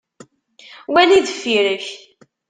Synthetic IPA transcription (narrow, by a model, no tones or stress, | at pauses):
wæliðəfːiɾəç